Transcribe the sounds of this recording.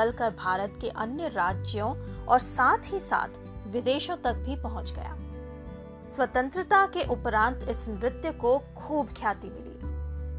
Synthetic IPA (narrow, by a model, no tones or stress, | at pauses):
əlkəɾbʱaːɾət̪keʔɐnjəɾaːd͡ʒjõɔːɾsaːt̪ʰɦisa̰ːt̪ʰ | ʋɪd̪eːʃõt̪ɐk̚bʱipɐɦʊ̃t͡ʃɡɐ̰ja̰ː | swɐt̪ə̃nt̪ɾɪt̪akeʔʊpɾãːnt̪ɪsmɾɪt̪jəkokʰuːbkʰjaːt̪imɪlḭː